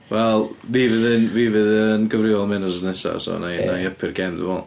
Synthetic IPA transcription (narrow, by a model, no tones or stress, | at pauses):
wɛlˠviːvɨðɪnviːvɨðənɡəvrɪɔlˠmɪnɔsənɛsa̰sɔ̰najnajəpʰɪrɡɛnðɪ̰mɔlˠ